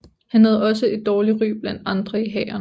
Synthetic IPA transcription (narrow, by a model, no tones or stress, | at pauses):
hænɦæð̞̩ˠɒ̽s̬əe̝d̥ːɒːliʁy̰ːb̥lænɑ̈nd̥ʁɐiɦɛ̰ːɐn